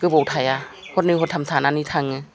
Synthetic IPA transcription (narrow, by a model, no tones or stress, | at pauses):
kɯbowtʰaja | hot̚niɦot̚ʰamsʰaːnanit̪ʰaŋɯ